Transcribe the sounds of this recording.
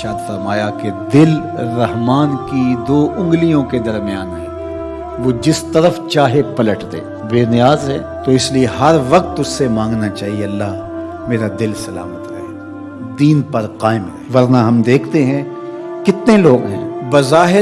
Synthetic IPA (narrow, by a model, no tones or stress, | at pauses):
ʃaːt̪fɐɾmaːjaked̪ɪl | ɾɐɦmaːnkid̪oːʔʊ̃ŋɡlijõked̪ɐɾmijaːnɦɛ̰̃ː | ʋoːd͡ʒɪst̪ɐɾəft͡ʃaːɦepɐləʈd̪ḛː | beːnɪjaːzɦɛ̰ː | t̪oɪslieɦɐɾʋɐq̚t̪ʊssemãːŋɡnat͡ʃaːɦieɐlːaː | meːɾad̪ɪlsɐla̰ːmət̪ɾɐ̰ɦeː | d̪iːnpɐɾqaːɪmɾɐɛɦeʋɐɾnaɦɐmd̪eːkʰt̪eɦɛ̃ | kɪt̪neloːɡɦɛ̰̃ːbɐzaːɦɪ